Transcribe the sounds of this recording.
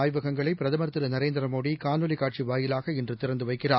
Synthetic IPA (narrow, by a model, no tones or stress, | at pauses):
aːjʋɐɣɐŋɡɐɭɐɪpːɪɾɐðɐmɐɾt̪ːɪɾɯnɐɾeːnd̪ɪɾɐmoːɽikaːnɯlikaːʈ̚t͡ʃiʋaːjɪlaːɣɐɪndrɯt̪ɪɾɐnd̪ɯʋɐɪkːɪraː